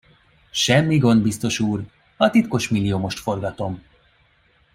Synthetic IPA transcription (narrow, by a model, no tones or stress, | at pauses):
ʃɛmːiɡo̞nd̪̚bist̪o̞ʃuːr | ɒt̪it̪ko̞ʃmilːijoːmo̞ʃt̪fo̞rɡɒt̪o̞m